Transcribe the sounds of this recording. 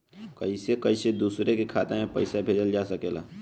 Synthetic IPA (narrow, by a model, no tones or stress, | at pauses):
kəisekəised̪uːsɾekekʰaːt̪emẽpəɪsabʱeːd͡ʒəld͡ʒaːsəkeːla̰ː